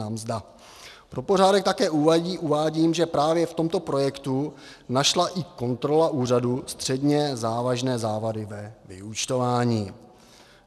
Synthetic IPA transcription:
amzda | pɾo̞po̞r̝aːdɛkt̪akɛːʔuvaiːʔuvaːɟiːmʒɛpɾaːvjɛft̪o̞mt̪o̞pɾo̞jɛkt̪u | naʃlaʔɪko̞nt̪ɾo̞laʔuːradust̪r̝̥ɛdɲɛzaːvaʒnɛːzaːvadɪvɛvɪ̰ut͡ʃt̪o̞vaːɲiː

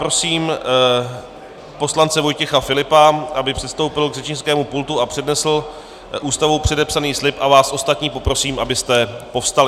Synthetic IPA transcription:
ɾo̞siːm | po̞slant͡sɛvo̞jcɛxafɪlɪpaʔabɪpr̥ɛt̪st̪o̞wpɪlɡrɛt͡ʃɲɪskɛːmupult̪uapr̥ɛdnɛsl̩ | ʔuːst̪avowpr̝̥ɛdɛpsaniːslɪpʔavaːsʔo̞st̪at̪ɲiːpo̞pɾo̞siːmʔabɪst̪ɛpo̞fst̪alɪ

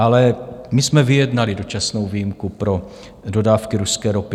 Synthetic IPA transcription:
ʔalɛmɪsmɛvɪjɛdnalɪdo̞t͡ʃasno̞wviːjɪmkupɾo̞ | do̞daːfkɪɾuskɛːɾo̞pɪ

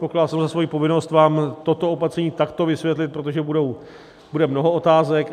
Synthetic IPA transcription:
tpo̞kladlsɛmzasvo̞jiːpo̞vɪno̞st̪vaːmt̪o̞t̪o̞opat̪sɛɲiːt̪akt̪o̞vɪsvjɛt̪lɪt̪̚pɾo̞t̪o̞ʒɛbudow | budɛmno̞ɦo̞ot̪aːzɛk

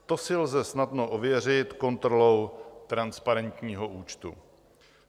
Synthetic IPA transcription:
t̪o̞sɪlzɛsnadno̞ʔovjɛr̝ɪt̪ko̞nt̪ɾo̞lo̞wt̪ɾanspaɾɛnt̪ɲiːɦo̞ʔuːt͡ʃt̪ṵ

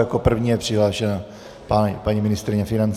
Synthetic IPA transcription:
jakopr̩vɲiːjɛpr̥ɪɦlaːʃɛna | panpaɲimɪnɪst̪ɾɪɲɛfɪnant͡s

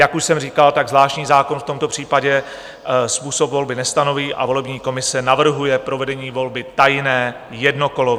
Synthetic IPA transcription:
jakuʃsɛmriːkalt̪aɡzlaːʃtɲiːzaːko̞nft̪o̞mt̪o̞pr̝̥iːpaɟɛ | spuːso̞pvo̞lbɪnɛst̪ano̞viːʔa̰vo̞lɛbɲiːko̞mɪsɛnavr̩ɦujɛpɾo̞vɛdɛɲiːvo̞lbɪt̪ajnɛː | jɛdno̞ko̞lo

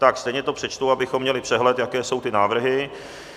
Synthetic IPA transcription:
t̪akst̪ɛjɲɛt̪o̞pr̥ɛt͡ʃt̪uabɪxo̞mːɲɛlɪpr̥ɛɦlɛt̪jakɛːso̞wt̪ɪnaːvr̩ɦɪ

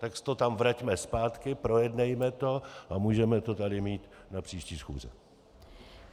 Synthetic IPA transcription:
t̪akst̪o̞t̪amvɾacmɛspaːt̪kɪpɾo̞jɛdnɛjmɛt̪o̞ʔamuːʒɛmɛt̪o̞t̪adɪmiːt̪napr̝̥iːʃciːsxṵːzɛ̰

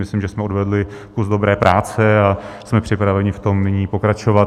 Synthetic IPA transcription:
mɪslimʒɛsmɛodvɛdlɪ | kuzdo̞bɾɛːpɾʔaːt͡sɛasmɛpr̥ɪpɾavɛɲɪft̪o̞mnɪɲiːpo̞kɾat͡ʃovat̪

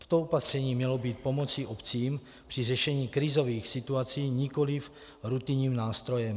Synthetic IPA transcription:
t̪o̥t̪oopat̪r̝̥ɛɲiːmɲɛlobiːt̪̚po̞mo̞t͡siʔopt͡siːm | pr̝̥iʐɛʃɛɲiːkɾɪzo̞viːxsɪt̪uat͡siːɲiko̞lif | ɾut̪iɲɲiːmnaːst̪ɾo̞jɛm

